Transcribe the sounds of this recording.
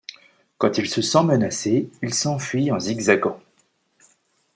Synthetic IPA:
kɑ̃t̪ilsəsɑ̃mənaseilsɑ̃fɥiɑ̃ziɡzaɡɑ̃

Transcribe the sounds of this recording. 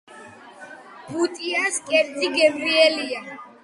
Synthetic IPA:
but̪ʼiaskʼɛɾt̪ʰiɡɛvɾiɛlia

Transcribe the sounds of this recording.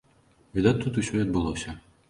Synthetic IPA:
vʲid̪at̪̚ʲt̪ut̪usʲɔiɐd̪̚bɨlˠɔsʲɐ

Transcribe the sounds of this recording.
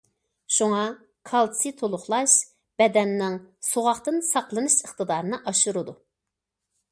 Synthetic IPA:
ʃuŋɑ | kʰɑlˠt̪ʰsɨt̪ʰolˠʊχlˠɑʃ | b̥ɛd̪ɛnːɪŋsoʁɑχt̪ɨnsɑqlˠɨnɨʃəχt̪ɨd̪ɑːɾɨnɨʔɑʃuɾɨd̪u

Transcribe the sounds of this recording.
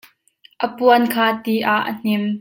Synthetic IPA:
ʔəpuənkʰaːt̪iʔaʔːə̰n̥ɪm

